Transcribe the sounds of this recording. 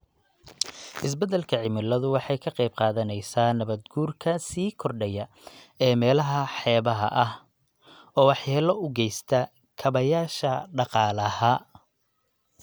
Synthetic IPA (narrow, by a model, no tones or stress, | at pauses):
ʔɪs̬bɐd̪ɛlkʰɐʕɪmɪlɐðʊwɑħɑjkʰɐqɑjb̚qɑːðɐnɛjsaːnɐβɐd̪ɡuːrkʰɐsiːkʰɔrɖɛjɐ | ɛːmɛːlɐɦɐħɛːβɐɦɐ̰ʔɐh | ɔːwɑħjaːlɐʊɡɛjst̪ʰɐ | kʰɐβɐjaːʃɐɖɑqɑːlɐhɐ